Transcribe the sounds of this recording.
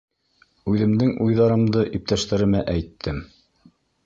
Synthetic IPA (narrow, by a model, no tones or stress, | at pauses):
ʉðɘ̆md̪ɘŋujðɑɾɤ̆md̪ɤʔip̚t̪æʃt̪æɾɘ̆mæʔæjt̪ʰːɘm